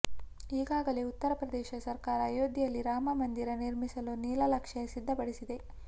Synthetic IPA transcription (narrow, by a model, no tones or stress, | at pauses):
iːɡaːɡɐleut̪ːɐɾɐpɾɐd̪ɛːʃɐsɐɾkaːɾɐːjoːd̪ʱjijɐlːiɾaːmɐmɐnd̪iɾɐniɾmisɐluniːlɐlɐkʂɐsid̪ʱːɐpɐɽisid̪e̞